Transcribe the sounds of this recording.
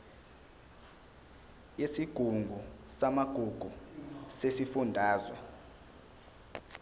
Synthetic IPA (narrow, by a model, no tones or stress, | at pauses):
jesiɡ̥ʱuŋɡbʱusamaɡ̥ʱuɡ̥ʱusesifundʱaːzwa̰